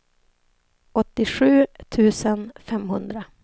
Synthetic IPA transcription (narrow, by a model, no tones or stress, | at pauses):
ɔt̪ːɪɧʉ̟ːt̪ʰʉ̟ːsənfɛmɦɵnd̪ɾa